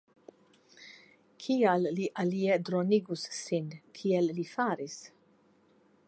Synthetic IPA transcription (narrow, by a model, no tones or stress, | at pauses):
kʰiːjɐlːiʔɐlijɛd̪ɾɔniɡussɪnkʰiːɛlːifɐːɾis